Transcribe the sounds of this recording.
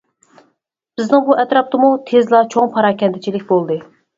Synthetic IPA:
b̥ɪznɪŋbuʔɛt̪ɾɑp̚t̪ɨmut̪ʰezlˠɑt͡ʃʰoŋpʰɑɾɑːkʲɛnd̪ʰɪt͡ʃʰilɪkʲbolˠd̪ɨ

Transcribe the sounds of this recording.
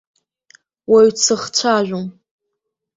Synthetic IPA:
waɥt͡sʰɨχt͡sʷʰaʒʷᶣum

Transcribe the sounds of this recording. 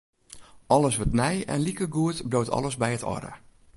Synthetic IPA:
ʔɔləsʋɔtnɛjɛ̰nlikəɡuətbloːtʰɔ̰ləsbɛjətʰɔ̰ɾə̰

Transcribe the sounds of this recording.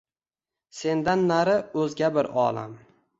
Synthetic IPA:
se̞nd̪anːaɾɪɵzɡʲabɪɾɒ̰ːlˠa̰m

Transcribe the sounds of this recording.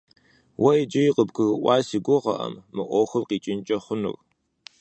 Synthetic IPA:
wɐjd͡ʒɐjɪqəbɡʰɨɣɨʔʷɑːsiɡʷʊʁɐ̰ʔɐ̰mːɨʔʷɔxɨmqiːt͡ʃʼɪnt͡ʃʼɐχʷʊnɨ̰r

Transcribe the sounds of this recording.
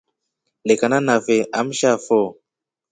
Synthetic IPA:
lekananafeʔam̩ʃafɔ

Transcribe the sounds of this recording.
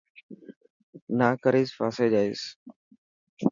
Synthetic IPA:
naːkəɾiːspaːseːd͡ʒaːiːs

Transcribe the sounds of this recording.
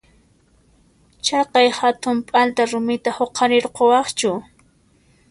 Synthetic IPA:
t͡ʃɑqɑjhat̪ʊmpʼalt̪aɾʊmɪt̪ahoqʰɑɾɪɾqowɑχt͡ʃʊ

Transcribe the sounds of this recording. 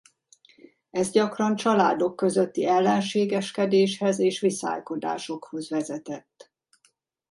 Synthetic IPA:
ɛzɟɒkrɒnt͡ʃɒlaːd̪o̞kːø̞zø̞t̪ːiɛlːɛnʃeːɡɛʃkɛd̪eːʃhɛzeːʃʋisa̰ːjko̞d̪a̰ːʃo̞kho̞zʋɛzɛt̪ɛt̪ː

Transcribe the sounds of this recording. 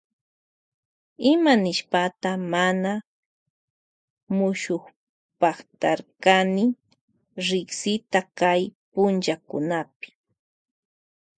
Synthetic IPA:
ɪmanɪʃpat̪amana | mʊʃoχ | paχt̪aɾkanɪ | ɾɪksɪt̪akajpʊnt͡ʃakʊ̰napɪ̥

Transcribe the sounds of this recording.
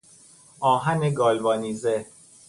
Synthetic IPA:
ɒːɦæneɡɒːlbɒːniːze

